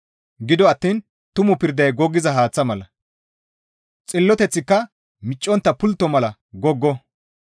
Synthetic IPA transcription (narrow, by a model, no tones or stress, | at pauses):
ɡɪd̪ɔɐt̪ːiːn | t̪ʊmʊpɪɾd̪ɐjɡɔɡːɪzɐɦaːt͡sːɐmɐlɐ | t͡sʼɪlːɔt̪ɛt͡sːɪkːɐ | mɪt͡ʃʼːɔnt̪ːɐpʊlt̪ːɔmɐlɐ | ɡɔɡːɔ